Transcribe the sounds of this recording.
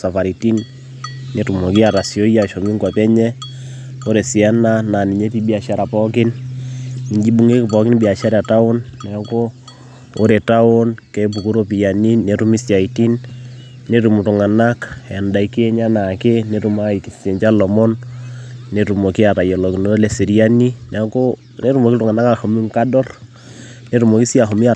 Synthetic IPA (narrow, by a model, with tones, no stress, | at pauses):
sa˨fa˨ɾi˨ti˦nː | e˨tu˨mo˨kɪ˦a˨ta˨sjo˦ja˨ʃo˨mi˦ŋɡwa˨pɛ˦ɲɛ˦ | o˦ɾe˨sɪ˨a˦na˦na˨ni˨ɲe˦pi˦bi˦a˨ʃa˦ɾa˨pɔ˦kɪ˦n | i˨ɲd͡ʒi˦bu˨ŋe˦kɪ˨pɔ˨kɪ˦nbi˨a˨ʃa˦ɾa˨ta˦ʊ˦nːɛ˨˦ko˦ | o˦ɾe˨ta˦ʊ˦nkɛ˨p̬u˨ku˦ɾo˦pi˨ja˨ni˦nːe˨tu˦mi˦sja˨iti˦nː | e˦ɾu˨mu˨tu˨ŋa˨na˦kɛ˨nda˨i˦ki˦e˦ɲa˦na˨ke˦ne˨tu˨ma˦i˨ki˨se˨ɲt͡ʃa˦lɔ˨mɔ˦nː | e˨tu˨mo˨ki˦a˨ta˨jɔ˨lɔ˨ki˨no˦le˨si˨ɾi˦ani˦nɛ˨˦ko | ne˦ɾu˦mo˨ki˦tʊ˨ŋa˨na˦ka˨ho˨mu˦ŋka˦dɔ˦r | ne˨ɾu˨mo˨ki˦si˦a˨xɔ˨mi˦a˨